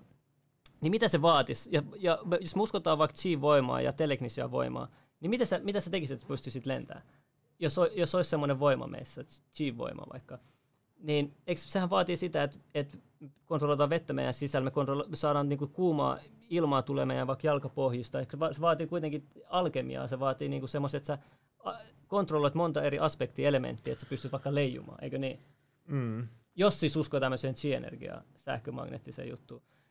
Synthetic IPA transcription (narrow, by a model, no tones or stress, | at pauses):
nimit̪æseʋɑːt̪isjɑjɑmejosmeuskot̪ɑːʋʋɑik̪t͡ʃiːʋʋoimɑ̰ːjɑ̰t̪elekniseæ̰ʋo̰imɑ̰ː | nimit̪æsemit̪æset̪ekiset̪se̥pyst̪ysit̪lent̪æ̰ː | josojosoissemːoneʋoimɑ̰mḛsːæt͡ʃiːʋʋo̰imɑ̰ʋɑ̰ikːɑ | niːneikssehæʋʋɑːt̪iːsit̪æet̪et̪ | kont̪roloit̪ɑːʋʋet̪ːæmḛijæ̰nsisælmekont̪rolmesɑːɾɑːnniːŋkukuːmɑ̰ːilmɑːt̪ulḛmḛjæʋɑikjɑlkɑpohjist̪ɑeksʋɑseʋɑːt̪iːkuit̪eŋkiɑlkemḭɑ̰seʋɑːt̪iːniːŋkusemːost̪ːet̪sæ | ɑ | kont̪rolːoit̪mont̪ɑeriʔɑspekt̪iːelemḛnt̪ːiːet̪se̥pyst̪yt̪ʋɑˑikːɑleijṵmɑ̰ːḛikøniː | josːisuskot̪æmːøseːnt͡ʃiːḛnḛrɡ̥ḭɑ̰ː | sæ̰hkømɑ̰ɡnḛt̪ːisḛːjṵt̪ːu